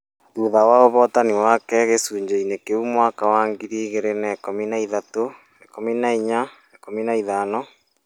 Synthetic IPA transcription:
tuðawaoβɔtaniwakɛɣesuːɲd͡ʒeinekeumwaːkawaːŋɡiɾiɣeɾenɛkominaiðato | ekominaiɲa | ekominaiðaːnɔ

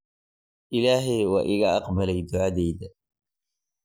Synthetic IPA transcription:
ʔɪlaːɦɛjwɑ̰ːʔɪɣɐɑqbɐlɛjd̪ʊʕaðɛjðɐ

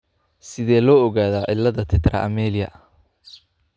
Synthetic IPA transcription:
sɪðɛːlɔːɔɣaːðaːʔɪ̰lːɐðɐt̪ʰɛt̪rɐ̰ʔɐ̰mɛːlɪjɐ̰

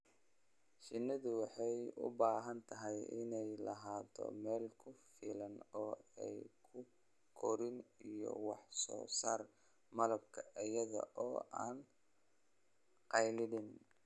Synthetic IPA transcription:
ʃɪnːɐðʊwɑħɑjʊ̰baːɦɐnt̪ʰɐɦɛjɪ̰nɛjlɐɦaːt̪ʰɔ̰mɛːlkʰʊfiːlɐnɔːɛjkʰʊ | kʰɔɾɪnijɔ̰wɑħsɔ̰ːsaːr | mɐlɐb̚kʰɐʔɐjɐðɐ̰ʔɔːʔaːn | qɑjlɪɽɪn

